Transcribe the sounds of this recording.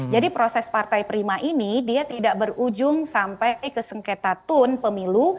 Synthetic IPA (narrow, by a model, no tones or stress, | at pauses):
d͡ʒadipɾosɛspart̪ajpɾimaʔinidiat̪idaʔbərud͡ʒʊŋsampajakajkəsəŋket̪at̪ʊnpəmilu